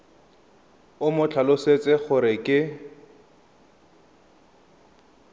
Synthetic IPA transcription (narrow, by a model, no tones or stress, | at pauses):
ʊmʊt͡ɬʰalʊset͡sʼɪχʊɾɪkʼɪ